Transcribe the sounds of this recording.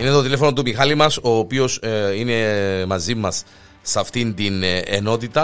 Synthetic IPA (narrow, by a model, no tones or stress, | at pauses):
ine̞t̪ot̪ile̞fonot̪̬umixɐlimɐso̞ːpio̞sine̞mɐzimɐsː | ɐft̪ind̪inḛno̞t̪it̪ɐ